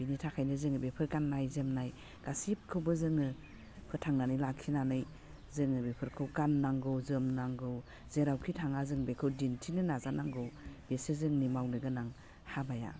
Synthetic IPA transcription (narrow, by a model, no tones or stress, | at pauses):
binitʰakʰajnɯzɯŋɯbepʰɯɾɡanːajzemnaj | ɡ̥asip̚kʰɯwbɯzɯŋɯ | pʰɯtʰaŋnanɯjlakʰinanɯj | zɯŋɯbepʰɯɾkʰɯwɡanːaŋɡɯwzɯmnaŋɡɯw | zeɾawkʰitʰaŋazɯŋbekʰɯwdintʰinɯnazanaŋɡɯwb̥esezɯŋnimawnɯɡɯnaŋ | habaja̰